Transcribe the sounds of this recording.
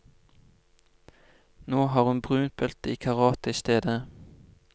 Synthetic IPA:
noːhɑːʁhʉnbʁʉːnt̪̚bœlt̪əiːkʰɑʁɑːt̪əiːst̪eːd̪ə

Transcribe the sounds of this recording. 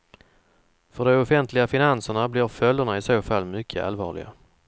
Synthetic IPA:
fœɖɛʊfɛnt̪lɪɡafɪnansəɳablɪːɾfœld̪əɳaɪsoːfalːmʏkʰːəʔa̰lvɑ̰ːɭɪ̰ɡa̰

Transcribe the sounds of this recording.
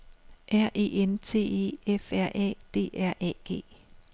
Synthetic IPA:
ʔæɐ̰ʔe̝̰ːent͡sʰe̝̰ːe̝̰ːefæɐ̰ʔɛ̰ːd̥e̝̰ːæɐ̰ʔɛ̰ɡ̥e̝̰ː

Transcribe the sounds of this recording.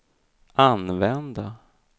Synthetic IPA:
ʔanvɛnd̪a

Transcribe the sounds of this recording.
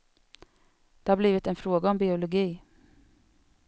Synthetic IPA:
d̪̥ɛːhɑːbliːʋɪt̪ɛːnfɾoːɡaɔmbɪʊlʊɡiː

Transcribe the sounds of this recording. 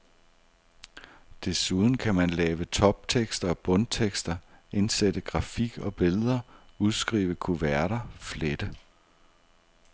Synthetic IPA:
d̥e̝suð̞ˠn̩kʰæmænlɛːʋət͡sʰɒ̽b̥̚t͡sʰeɡ̥sd̥ɐɒ̽b̥ɔ̽nt͡sʰeɡ̥sd̥ɐe̝nsed̥əɡ̥ʁɑ̈fiɡ̥ɒ̽b̥e̝lð̞ˠɐ | uð̞ˠsɡ̥ʁḭːʋəkʰuʋæɐɾ̥ɐfled̥ə

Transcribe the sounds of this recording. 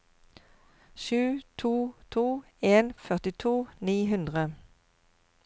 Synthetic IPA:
ʃʉːt̪ʰuːt̪ʰuː | eːnfœʁt̪ɪt̪ʰuːniːɦʉnd̪ʁə

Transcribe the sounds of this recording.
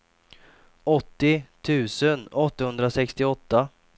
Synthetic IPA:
ɔt̪ːɪt̪ʰʉ̟ːsənɔt̪ːahɵnd̪ɾasɛkst̪ɪɔt̪ːa

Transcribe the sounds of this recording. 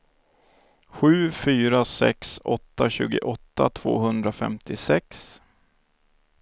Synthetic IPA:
ɧʉ̟ːfyːɾasɛ̰ksɔt̪ːaɕʉ̟ːɡəʔɔt̪ʰːa̰t̪ʰv̥o̰ːɦɵnd̪ɾafɛ̰mt̪ɪsɛks

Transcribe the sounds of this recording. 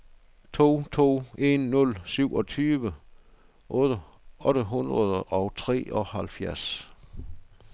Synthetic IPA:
t͡sʰo̝̰ːt͡sʰo̝̰ːe̝nːɔlsyʊ̰ʔɒ̽t͡sʰyːʋə | ʔɔ̽ːd̥ə | ʔɔ̽ɾəɦunʁɐðˠəʔɒʊt͡sʰʁɛ̰ːɒhælfjæɐs

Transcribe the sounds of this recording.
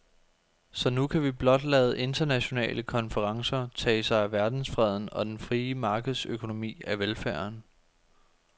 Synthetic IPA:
sɒ̽nukʰæʋib̥lɒ̽d̥lɛːð̞̩ˠəʔe̝nd̥ɐnæɕo̝nɛ̰ːləkʰɒ̽nfəʁɑ̈ŋsɐt͡sʰɛ̰ːsɑ̈ɪæʋæɐd̥n̩sfʁɛð̞̰ˠn̩ɒ̽d̥enfʁiːəmɑ̈ːɡ̥ð̩ˠsøkʰo̝no̝mḭːæʋelfæɐn

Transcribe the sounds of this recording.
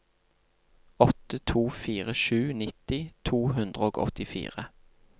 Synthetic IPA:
ɔt̪ət̪ʰuːfiːʁəʃʉːnɪt̪ɪt̪ʰuːɦʉnd̪ʁəoːɡɔ̰t̪ɪfḭːʁə

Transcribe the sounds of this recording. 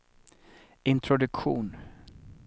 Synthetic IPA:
ɪnt̪ʰɾɔd̪ɵkɧuːn

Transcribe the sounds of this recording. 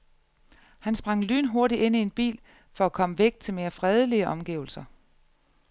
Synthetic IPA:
hænsb̥ʁɑ̈ŋ̰ly̰ːnɦo̝ɐɾie̝n̰ie̝nb̥ḭːl | fɒ̽ækʰɒ̽məʋeɡ̥̚d̥̚t͡sʰe̝lme̝ːɐfʁɛð̞ˠəliəʔɒ̽mɡ̥iːʊl̩sɐ

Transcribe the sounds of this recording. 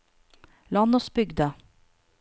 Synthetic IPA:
lɑnɔsbʏɡd̪ə

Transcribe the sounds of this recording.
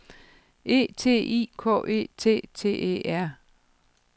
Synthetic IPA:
e̝̰ːt͡sʰe̝̰ːḭːkʰɔ̰ːʔe̝̰ːt͡sʰe̝̰ːt͡sʰe̝̰ːḛæɐ̰

